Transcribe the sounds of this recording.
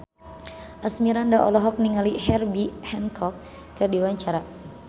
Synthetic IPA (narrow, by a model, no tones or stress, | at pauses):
ʔasmiɾandaʔɔ̰lɔɦɔk̚niŋalihɛrbihɛnkʰɔk̚ː | ɨrdiwaɲt͡ʃaɾa